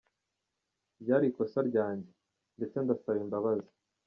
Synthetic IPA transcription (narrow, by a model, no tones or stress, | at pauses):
bɟaːɾiko̞saɾɟaːɲɟe̞ | nde̞t͡sendasajimbaβazi̥